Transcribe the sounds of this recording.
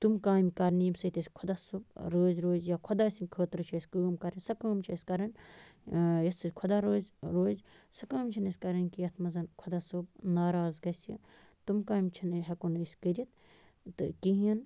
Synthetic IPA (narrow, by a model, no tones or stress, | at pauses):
t̪umkaːmʲkɐɾniːmsɐt̪ɐsʲkʰod̪asub̚ɾoːzɾoːzjakʰod̪aːsinʲkʰəːt̪ɾɨt͡ʃʰisʲkəːmkɐɾɐnʲsɐkɐːmt͡ʃʰiɐsʲkɐɾɐn | jɐt̪ʰːɨsʲkʰod̪aɾoːzɾoːzsɐkɐːmt͡ʃʰinɐsʲkɐɾɐnkijɐt̪ʰmɐzɐnkʰod̪asubnaːɾaːzɡɐsḭ | t̪umkaːmʲt͡ʃʰinɨɦɐkonɨsʲkəɾʲit̪ | t̪ɨ̰kiɦiɐn